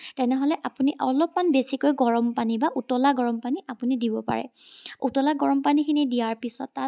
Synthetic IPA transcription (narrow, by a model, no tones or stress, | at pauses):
tɛnɛɦɔlɛʔapuniʔɔlɔpmanbesikojɡɔɹɔmpanibaʔutɔlaɡɔɹɔmpaniʔapunidibɔpa̰ɹɛ̰utɔlaɡɔɹɔmpanikʰinidijaɹpisɔ̰tːa